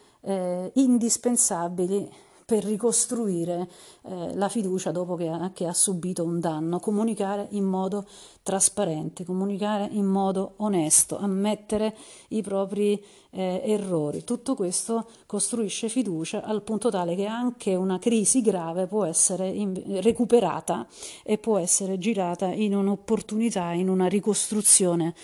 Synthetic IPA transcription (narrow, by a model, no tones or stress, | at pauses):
ɛind̪ispensabili | perːikost̪ɾuiːɾe | lafid̪uːt͡ʃad̪ɔːpok̟ekeasːubiːt̪ound̪anːokomunikaːɾeʔimːɔːd̪ot̪ɾaspaɾɛnt̪ekomunikaːɾeʔimːɔːd̪oonɛst̪o̰ʔamːɛt̪ːeɾeipɾɔːpɾi | erːɔːɾḭt̪ut̪ːokwest̪o | kost̪ɾuiʃːefid̪uːt͡ʃaʔalpunt̪ot̪aːlek̟eaŋk̟ʰeunakɾiːziɡɾaːvepwɔɛsːeɾeirekupeɾa̰ːt̪aepːwɔɛsːeɾed͡ʒiɾaːt̪aʔinunopːort̪unit̪ainunarikost̪ɾut̪sːjoːne